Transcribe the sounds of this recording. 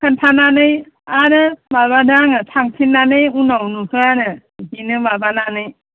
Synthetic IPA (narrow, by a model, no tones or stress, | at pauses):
kʰantʰananɯj | aɾɯbaβanaŋɯtʰaŋtʰinːanɯjunawnuhɯaɾɯ | ɡinɯmabananɯj